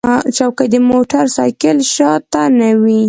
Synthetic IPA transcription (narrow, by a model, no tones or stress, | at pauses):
t͡ʃawkad̪əmoʈaɾsɑjkɪlʃɑt̪ːanawi